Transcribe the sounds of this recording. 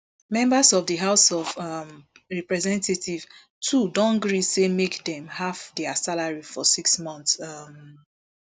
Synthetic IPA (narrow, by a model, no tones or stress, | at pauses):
mɛ̃mbasɔvdəɦaʊsɔvʌm | ɹɛpɹɛzɛ̃ntetiv̥ | tʰudɔ̃nɡɹisemekdɛ̃mhavdɛasalaɹifɔsiksmɔ̃ntsm